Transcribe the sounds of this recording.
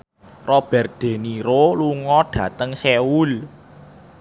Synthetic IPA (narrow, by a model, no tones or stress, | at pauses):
rɔb̥ɛ̤r̚d̪̥e̤niɾoluŋɔɖ̥ä̤t̪əŋseul